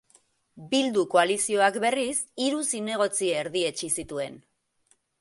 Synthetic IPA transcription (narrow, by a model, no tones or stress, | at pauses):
bild̪uko̞alisio̞akbe̞risiɾusine̞ɣ̞o̞t͡sieːɾðie̞t͡ʃisit̪ue̞n